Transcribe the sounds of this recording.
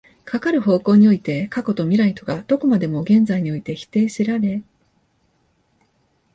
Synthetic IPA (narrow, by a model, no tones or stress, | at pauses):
kʰakaɾɯ̟ɦo̞ːko̞ːɲ̟io̞it̪e̞kako̞t̪o̞mʲiɾait̪o̞ɡad̪̥o̞ko̞mad̪e̞mo̞ɡẽ̞nzaiɲ̟io̞it̪e̞çi̥t̪e̞ːɕiɾaɾe̞